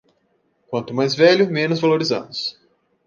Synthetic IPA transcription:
kwɐ̃nt̪ʊmajzvɛʎʊmẽnʊzvaloɾizɐ̰̃nʊs

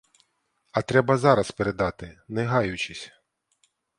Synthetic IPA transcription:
ɐt̪ɾɛbɐzɑɾɐspeɾed̪ɑt̪ɪnɛɦɑjʊt͡ʃɪsʲ

